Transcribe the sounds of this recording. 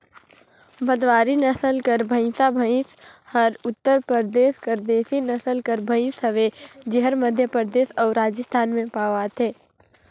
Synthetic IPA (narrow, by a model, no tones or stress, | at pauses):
bəd̪ʋaːɾinəsəlkəɾbʱə̃ɪ̃sabʱə̃ɪ̃shəɾʊt̪ːəɾpəɾd̪eːskəɾd̪eːsinɐsəlkəɾbʱə̃ɪsəʋed͡ʒɪɦəɾməd̪ʱjəpɾəd̪eːsɔːɾːaːd͡ʒəst̪ʰaːnmẽpaːʋat̪ʰɦeː